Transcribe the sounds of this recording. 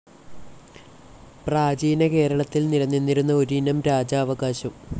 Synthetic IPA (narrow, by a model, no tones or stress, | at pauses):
praːd͡ʑiːnɐke̞ːɾɐɭɐt̪ːilniɾɐnːinːiɾunːɐo̞ɾiinɐmɾaːd͡ʑaːʋɐɡaːɕɐm